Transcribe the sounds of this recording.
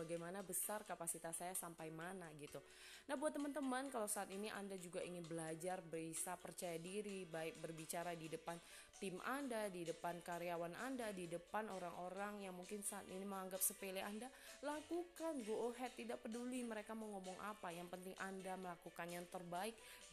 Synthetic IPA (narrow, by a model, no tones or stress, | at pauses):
baɡajmanabəsarkapasit̪asajasampajmanaɡit̪u | nahbuat̪ːəmant̪əmankalawsaːt̪iniʔa̰ndad͡ʒuɡaiŋɪnbəlad͡ʒarbəɾisapərt͡ʃajadiɾibaɪk̚bərbit͡ʃaɾadidəpan | t̪ɪma̰ndadidəpankaɾeawanʔandadidəpanoɾaŋoɾaŋjaŋmuŋkɪnsaat̪iniməŋaŋɡap̚səpeleanda | lakukanɡoʔoɦɛt̪ːidaʔpəduliməɾekaməŋomɔŋʔa̰pajaŋpənt̪ɪŋʔandaməlakukanjaŋt̪ərbaɪk̚